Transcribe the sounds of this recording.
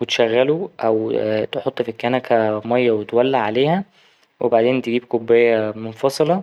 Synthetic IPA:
wet̪ʃæɣːæluʔæwt̪eħot̪ˤːfikːænækʰæmɑjːæwet̪wælːaʕaleːhæ | wʔebaʕd̪eːnt̪eɡiːbkobːejːæmonfɑsˤelɑ

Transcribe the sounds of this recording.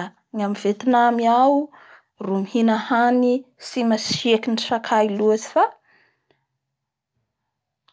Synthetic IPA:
ŋamivet̪inamiaw | rumihinahanisimashekiniʈ͡ʂakʰailuazi̥fa

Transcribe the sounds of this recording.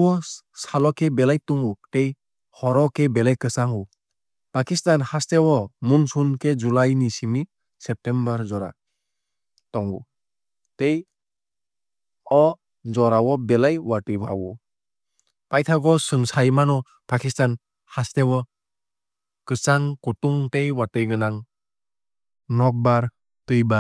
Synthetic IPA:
wɔ | salɔkʰɛbɛlajtɔŋutej | hɔɾɔkɛbɛlajkɯsaŋu | pakistanhastɛwɔmunsunkʰed͡ʒulajnisimi | sɛp̚tɛmbaɾd͡ʒɔɾa̰ | tɔŋɡṵ | tej | ɔ | d͡ʒɔɾawɔbɛlajwatɯjba̰wɔ | pajt̪ʰaɡɔsɯŋsajmanɔ | pʰakistan | hastewɔ | kɯsaŋkutuŋtejwatɯjɡɯnaŋ | nɔk̚baɾ | tɯjba

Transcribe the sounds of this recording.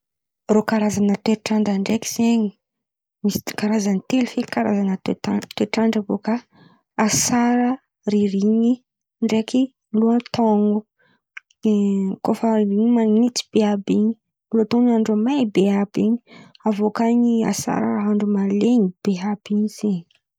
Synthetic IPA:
rokaɾazanət̪eʈ͡ʂaɳɖ͡ʐaɳɖ͡ʐeki̥z̥eɲi | misi̥kaɾazanit̪elufekaɾazanət̪et̪at̪weʈ͡ʂaɳɖ͡ʐavoka | asaɾə | riɾiɲi | ɳɖ͡ʐeki | luat̪ɔŋɡu | kofaɾiɾiɲimanit̪i̥b̥eabiɲi̥ | lot̪oŋaɳɖ͡ʐamabeabiɲi | avokaɲia̰sa̰ɾaaɦaɳɖ͡ʐumaleɲib̥eɦabiɲiz̥eɲi̥

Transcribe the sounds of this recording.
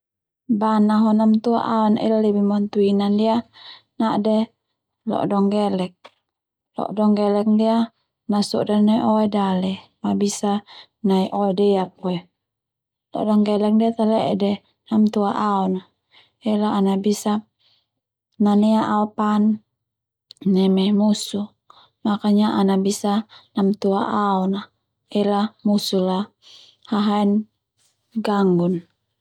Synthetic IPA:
banaɦɔnamt̪ua̰ʔaɔnɛ̰lalɛbimɔnt̪uinandia | naʔdɛ | lɔ̰ʔdɔŋɡɛlɛk̚ | lɔ̰ʔdɔŋɡɛlɛk̚dia | nasɔ̰ʔdanaiʔɔɛdalɛmabisa | naiʔɔɛdɛak̚ɔɛ | lɔ̰ʔdɔŋɡɛlɛk̚diat̪alɛɛdɛ | namt̪uaʔaɔna | ɛlaːnabisa | nanɛaʔaopan | ɛmɛmusu | makaɲaʔanabisanamt̪uaʔaɔna | ɛlamusula | haɦaɛn | ɡaŋɡun

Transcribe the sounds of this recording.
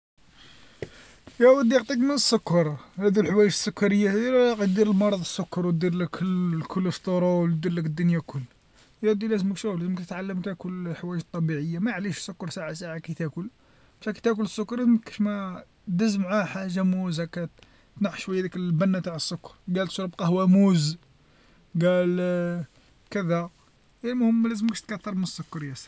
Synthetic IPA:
jæwəd̪ːiqt̪ˤikmənəsːʊkːɑɾˤhæd̪ulħwæjəʒəsːʊkːɑɾəjːaqt̪d̪iɾəlmɑɾˤɑd̪ˤəsːʊkːɑɾˤwt̪̚d̪iɾləkːkʰʊlːəst̪ˤːoɾˤɑw̚d̪iɾləkəd̪ːʊnjakʰʊlː | jæd̪ilæzəməkʃuwlæzəməkt̪ət̪ʕalːəmt̪ækʊlħwæjəʒt̪ˤːɑbiʕəjːamæʕliʃsːʊkːɑɾˤsaʕasaʕakæt̪ækʊl | bʃækæt̪ækʊləsˤːʊkːɑɾˤlæzməkʃmæ | d̪əzmʕaħaʒamuzhækæ | t̪naħʃwæjːad̪iklbænːat̪aʕəsːʊkːɑɾˤɡælt̪ʃɾbqɑhwæmuz | ɡæl | kəd̪æ | jælmʊhəmːlæzəməkʃt̪kæt̪ːɑɾˤmənəsːʊkːɑɾjæs

